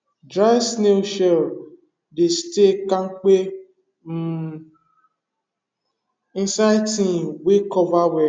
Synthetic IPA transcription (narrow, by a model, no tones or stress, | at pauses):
dɾasneʃɛl | destekãŋ̩k͡pe | m̩ | ĩsajtĩwekɔvawɛ